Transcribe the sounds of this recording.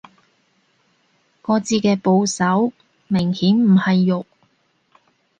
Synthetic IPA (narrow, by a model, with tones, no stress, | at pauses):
kɔː˧t͡siː˧kɛː˧po˧wsɐ˨˥w | mɪ˨˩ŋhiː˨˥nm̩˨˩hɐ˨jːʊ˨k̚